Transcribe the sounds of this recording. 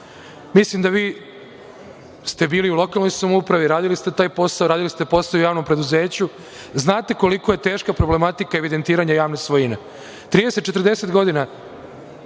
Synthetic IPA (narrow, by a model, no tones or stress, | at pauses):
mislimd̪aʋiː | st̪e̞biːliulo̞kalno̞jsumupɾaʋiɾaːd̪ilist̪e̞t̪aːjpo̞saoɾaːd̪ilist̪e̞po̞saoujaːʋno̞mpɾe̞d̪uze̞ːt͡ɕu | znaːt̪e̞ko̞liko̞je̞t̪e̞ːʃkapɾoble̞mat̪ikaeʋid̪e̞nt̪iːɾaɲajaːʋnesʋojine | t̪ɾiːd̪eset̪̚t͡ʃet̪ɾd̪e̞se̞t̪ɡo̞d̪ina